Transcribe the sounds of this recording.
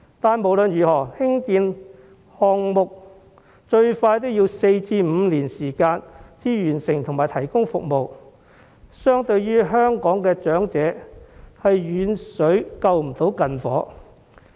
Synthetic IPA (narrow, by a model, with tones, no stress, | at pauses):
t̪aː˨nmo˨˩wlɵ˨njyː˨˩hɔː˨˩hɪ˥ŋkiː˧n | hɔː˨ŋmʊ˨k̚ | t͡ʃɵ˧ɥfaː˧jt̪o˥jiː˧wse˧jt͡siː˧m̩ː˨˧liː˨˩nsiː˨˩kaː˧nt͡siː˥jyː˨˩nsɪ˨˩ŋt̪ʰʊ˨˩ŋmaː˨˩jt̪ʰɐ˨˩jkʊ˥ŋfʊ˨k̚mo˨w | sœː˥ŋt̪ɵ˧ɥjyː˥ɦœː˥ŋkɔː˨˥ŋkɛː˧t͡ʃœː˨˥ŋt͡sɛː˨˥hɐ˨jjyː˨˧nsɵ˨˥ɥkɐ˧wm̩˨˩t̪o˨˥wkɐ˨nfɔː˨˥